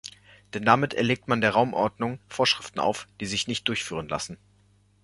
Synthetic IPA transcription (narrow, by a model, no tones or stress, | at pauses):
d̥ɛndamɪtʰɛ̰ɐleːk̚tmandeːɐʁaʊmʔɔɐdnʊŋfoːɐʃʁ̥ɪftn̩ʔa̰ʊfd̥iːzɪçnɪçt̚d̥ʊɐçfyːʁ̞ənla̰sn̩